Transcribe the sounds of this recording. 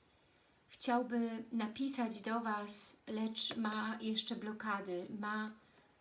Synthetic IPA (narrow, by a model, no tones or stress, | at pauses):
xt͡ɕawbɘnapʲisad͡ʑd̪ɔvaslɛt͡ʂmajɛʂt͡ʂɛblɔkad̪ɘma